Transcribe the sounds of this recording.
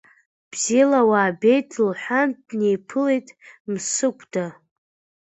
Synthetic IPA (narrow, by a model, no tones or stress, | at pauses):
b̥zilawaːbe̞jtʰʼlħʷandnejpʰɨlejtʼmsɨkʷʰʼda